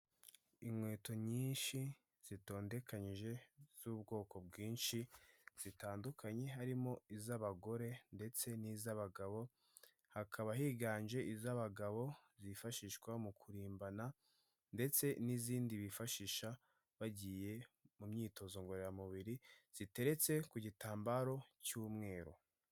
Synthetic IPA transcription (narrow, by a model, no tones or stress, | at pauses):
imwe̞ːto̞ɲiːnʃi | z̥ito̞ːnde̞kaɲiʒe̞z̥uːb̚ɡo̞ːko̞b̚ɡiːnʃiz̥itaːndukʰaɲe̞ɦaɾimo̞izaβaɡo̞ɾe̞nde̞t͡se̞nizaβaɡaβo̞ | hakʰaβaɦiɡaːɲd͡ʒe̞ʔizaβaɡaβo̞zifaʃiʃɡwamukʰuɾiːmbana | nde̞t͡se̞niziːndiβifaʃiʃa | βaɟije̞mumɲiːto̞zo̞ŋɡo̞ɾeɾamuβiɾiz̥ite̞ɾe̞t͡se̞kuɟitaːmbaɾo̞cuːmŋe̞ːɾo̞̰